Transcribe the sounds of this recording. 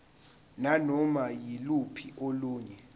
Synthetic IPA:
nanɔmajilupʰiʔoluːɲɛ

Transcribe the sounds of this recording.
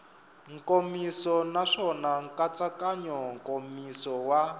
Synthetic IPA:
ŋkomisɔnaʂɔnaŋkat͡sakaɲɔŋkʼomisɔwa

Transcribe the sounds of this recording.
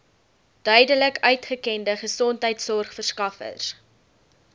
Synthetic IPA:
d̥œɥdələkœɥtχəkɛndəχəsɔntɦəjtsɔrχfərskɐfə̰rs

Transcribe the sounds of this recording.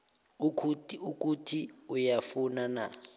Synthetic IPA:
ukʰutuk̬ʼutʰiujafunana̰

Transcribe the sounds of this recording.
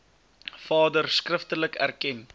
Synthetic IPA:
fɑːdərskrəftələkæ̰rkɛn

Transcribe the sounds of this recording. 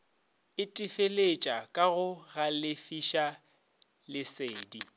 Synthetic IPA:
ɪtʼɪfelet͡ʃʼakʼaɣʊɣalɪfiʃa | lɪseːdi

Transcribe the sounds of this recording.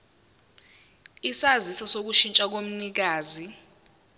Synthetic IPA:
isazisasok̬uʃint͡ʃʼak̬om̩nik̬aːzi

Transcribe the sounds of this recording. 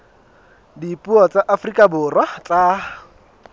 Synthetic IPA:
dipʼuɔt͡sʼaʔafrikʼabʊrwat͡sʼaː

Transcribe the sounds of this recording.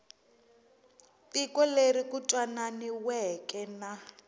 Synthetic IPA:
tikɔlerikutʼwananiwɛkɛna

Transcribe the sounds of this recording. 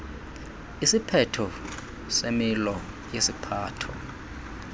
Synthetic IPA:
isipʰɛtʰɔ | semilɔ | jesipʰaːtʰɔ

